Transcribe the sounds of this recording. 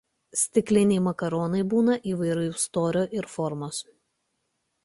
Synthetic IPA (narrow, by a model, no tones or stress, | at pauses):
sʲt̪ʲɪklʲɪnʲɛɪmɐkɐɾɔːnɐɪbuːnɐʔiːʋɐɪɾʊʊst̪oːɾʲoːʔɪɾfɔɾmoːs